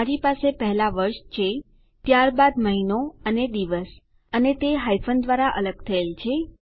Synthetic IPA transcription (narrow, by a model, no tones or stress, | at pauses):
aɾipasepəɦɛlaʋəɾʃt͡ʃʰe | t̪jaɾbad̪məɦinoəned̪iʋəs | ənet̪eɦajfʰənd̪ʋaɾaʔələɡ̚t̪ʰəelt͡ʃʰe